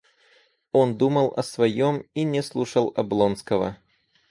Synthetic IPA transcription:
o̞nd̪uməlˠʔɐsvɐjominʲɪslˠuʂəlˠɐblˠonskəvə̰

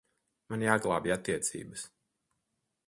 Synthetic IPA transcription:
manjaːɡlˠaːbiat̪ːiɛt̪sḭːbəs

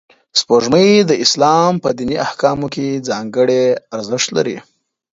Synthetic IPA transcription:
spoʐməjd̪əɪslɑmpəd̪iniahkɑmoked͡zɑŋɡəɽeaɾzɪʃt̪la̰ɾḭ

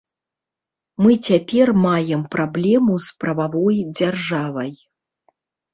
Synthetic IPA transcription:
mɨt͡sʲapʲɛrmajɛmpɾablʲɛmuspɾɐvavɔjd͡zʲarʐavɐj

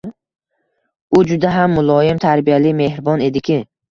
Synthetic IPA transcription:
ʊd͡ʒʊd̪aɦamːʊlˠɒjɪmt̪ʰaɾbijalɪme̞hɾbɒne̞d̪ɪkʲʰɪ

